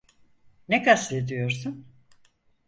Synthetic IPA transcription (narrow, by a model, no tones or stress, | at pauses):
nekast̪ed̪ijo̞ɾsun